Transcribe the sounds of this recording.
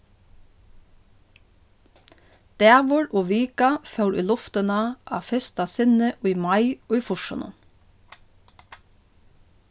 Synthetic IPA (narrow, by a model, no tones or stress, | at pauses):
d̪̥æːʋʊɹoːʋiːkɑfœʉɾʔḭːlɔft̪ənɑʔɑ̰ːfɛst̪ɑsɪnəʔoːiːmɑɪoːiːfʊʃɔ̰nə̰n